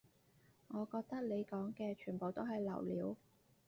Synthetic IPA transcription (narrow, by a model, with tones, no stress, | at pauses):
ŋɔː˨˧kɔː˧k̚t̪ɐ˥k̚le˨˧jkɔː˨˥ŋkɛː˧t͡ʃʰyː˨˩npo˨wt̪o˥wɦɐ˨jlɐ̰˨˩wlḭː˨˧˥w